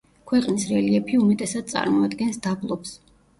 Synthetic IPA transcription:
kʰwɛqʼnisɾɛliɛpʰiumɛt̪ʼɛsad̪̚t̪sʼa̰ɾmɔad̪ɡɛnsd̪ablˠɔps

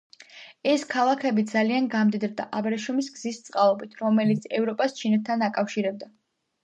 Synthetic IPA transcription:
ɛskʰalˠakʰɛbid̪zalianɡamd̪id̪ɾd̪aʔabɾɛʃɔmisɡzist̪sʼqʼalˠɔbit̪ʰɾɔmɛlit̪sʰɛvɾɔpʼast͡ʃʰinɛt̪ʰːanakʼafʃiɾɛb̚d̪a

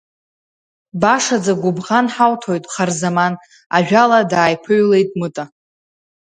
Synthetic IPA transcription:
baʂad͡zaɡʷʊbʁanħawtʰojtʼχarzaman | aʒᶣaladaːjpʰɨɥle̞jtʼmɨtʼa

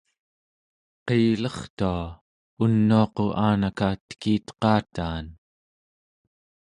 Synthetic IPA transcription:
qelʌχt̪ua | unːuɑqo̞ʔaːnakat̪ə̥kiːt̪qɑːt̪aːn

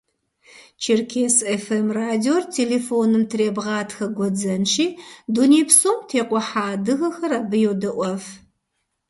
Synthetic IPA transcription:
t͡ʃʰɪrkʰeːsefemraːdiortʰeːleːfoːnɨmtʰɨreːbʁɑːtʰxɐɡʷɔd͡zɐnʃiːduneːpsoːmtʰeːqʷɔħaːdɨɣɐxɐraːbɨjɛwdɐʔʷɔf

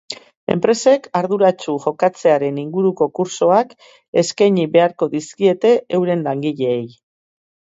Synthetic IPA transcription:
e̞̰mpɾe̞se̞kaɾðuɾat͡ʃuʝo̞kat͡se̞aɾe̞niŋɡuɾuko̞kuɾso̞ak | e̞skajɲiβe̞aɾko̞ðiskie̞t̪e̞ʔewɾe̞nlaŋɡiʎe̞ːj

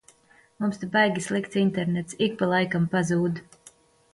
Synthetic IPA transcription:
mumst̪abajɡʲislˠikt̪sint̪eɾnɛt̪sik̚palˠajkampazuːd̪

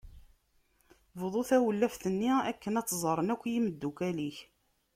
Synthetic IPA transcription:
vðˤoθæwəlːæfθənːiækːənɑt͡sːzˤəɾˤənækʷːjiməd̪ːukæliç

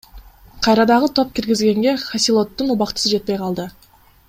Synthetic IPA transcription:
qʰɑjɾɑd̪ɑʁət̪ʰo̞p̚kʲiɾɡʲizɡe̞ŋɡe̞χasʲilˠo̞t̪ːunuβɑqt̪ə̥səd͡ʒe̞t̪̚pe̞jqʰɑlˠd̪ə

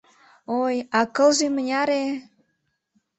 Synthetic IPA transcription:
ojɑkə̆lʒemənʲɑɾe

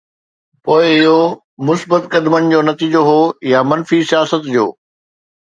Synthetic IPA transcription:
poːɪɪɦo | mʊsbət̪kɐd̪mənɪ̆d͡ʑoːnɐt̪iːd͡ʑoɦoːjamɐnfisijaːsət̪d͡ʑoː

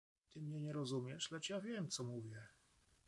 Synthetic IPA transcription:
t̪ɘmɲɛɲɛɾɔzumʲjɛʂlɛt͡ʂjavʲjɛmt̪sɔmuvʲjɛ

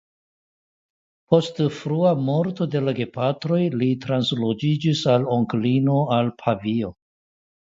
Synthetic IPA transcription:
pʰo̞stfɾuamo̞ɾto̞de̞laɡe̞patɾo̞jlitɾanslod͡ʒid͡ʒisaloŋklino̞alpʰavio̞

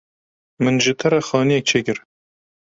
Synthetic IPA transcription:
mɨnʒɨt̪ʰɐɾɛxɑːnijɛk̚t͡ʃʰekɨɾ

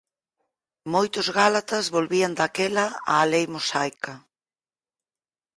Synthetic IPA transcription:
mojt̪ʊzɣalat̪azβolβiand̪akɛlaa̰ːlejmosajka

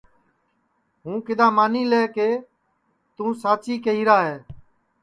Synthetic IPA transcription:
ɦũːkɪd̪ãːmaːniːleːkeː | t̪ũːsaːt͡ʃiːkəiːɾaːɦeː

